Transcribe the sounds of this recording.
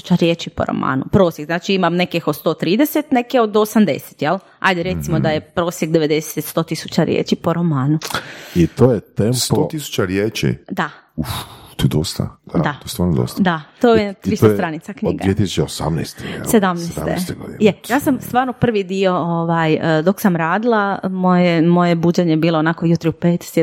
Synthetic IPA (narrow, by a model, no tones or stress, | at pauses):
u̥t͡ʃaɾjet͡ʃipo̰ɾo̰ma̰ːnupɾo̞ːsjeɡznaːt͡ʃiimamne̞kixod̪st̪o̞ːt̪ɾiːd̪eset̪nekeod̪osamd̪ḛse̥t̪jel | ha̰jd̪eɾe̞t̪simod̪ajepɾosjeɡd̪e̞ʋed̪e̞set̪st̪o̞ːt̪isut͡ɕaɾjḛt͡ʃipo̞ɾomaːnuit̪oːjet̪emspt̪ot̪isu̥t͡ʃaɾjeːt͡ʃḭd̪a | ut̪ojd̪ost̪a̰d̪d̪aojst̪ʋaːɾnod̪o̰st̪d̪at̪ojet̪ɾisost̪ɾanit̪sakɲdɡ̪aiet̪isut͡ʃeosa̰mnɛ̰jst̪ḛssed̪amnesḛseɡod̪ḭjejaːsamst̪ʋaːɾnopr̩ʋid̪io̞oʋajd̪o̞ksamɾaːd̪ilˠamojemo̞jebud͡ʑeɲebiːloːnakojut̪ɾiupeːt̪sje